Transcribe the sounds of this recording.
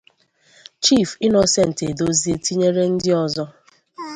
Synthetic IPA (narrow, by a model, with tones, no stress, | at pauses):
t͡ʃi˦˨fi˦nɔ˨sɛ˨n̩˨te˨do˦zi˦e˦ti˦ɲe˦ɾe˦n̩˦dɪ˦ɔ˨zɔ˦